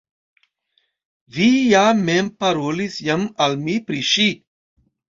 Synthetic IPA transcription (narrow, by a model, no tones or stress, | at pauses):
vijameːmpɐɾoːlisjɐmɐlmipɾiʃi